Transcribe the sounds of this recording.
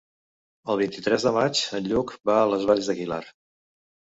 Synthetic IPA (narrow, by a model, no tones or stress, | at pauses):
əlˠβint̪it̪ɾɛzðəmat͡ʃənʎukbaələzβaʎzðəɣila̰r